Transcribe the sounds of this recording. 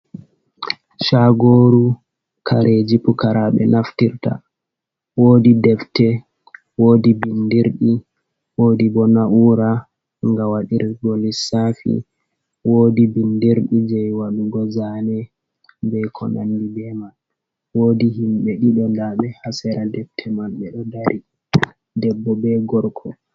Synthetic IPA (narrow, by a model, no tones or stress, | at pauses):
ʃaɡoːɾu | kʰaɾʔed͡ʒipukaɾaɓɛ̰naftiɾta̰ | woːdidɛftɛ | woːdibindiɾɗi | woːdibɔnauɾa | ŋɡawaɗiɾɡolisafḭ | woːdibindiɾɗid͡ʒɛjwaɗuɡɔzanɛ | bɛkʰɔ̰na̰ndibɛmal | woːdihimɓɛɗiɗɔndaɓɛhasɛɾadɛftʰɛmalɓɛɗɔdaɾi | dɛbːɔbɛɡɔɾkʰɔ